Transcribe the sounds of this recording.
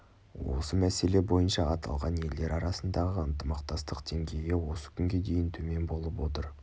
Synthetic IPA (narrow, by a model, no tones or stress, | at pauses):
wo̞̰səmæse̞le̞bo̞jənʃɑɑt̪ʰɑ̰lˠʁɑnje̞ld̪e̞ɾɑɾɑsənd̪ɑʁəənt̪əmɑqt̪ɑst̪əqd̪eŋɡʲe̞jɪwo̞sə̥kʲʰʏŋɡʲe̞d̪e̞jɪnt̪ʰɵme̞nbo̞lˠəpwo̞t̪əɾ